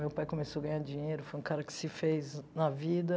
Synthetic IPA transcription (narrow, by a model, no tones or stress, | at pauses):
mewpajkomesoɡɐ̃ɲj̃ad͡ʒĩɲejɾʊfojũkaɾɐkɪ̥sɪfejznɐvid̪ɐ